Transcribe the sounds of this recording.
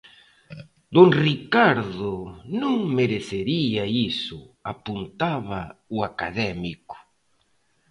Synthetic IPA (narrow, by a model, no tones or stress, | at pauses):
d̪oŋrikaɾðʊnũŋmeɾeθeɾiaisʊapunt̪aβauakaðɛmikʊ̥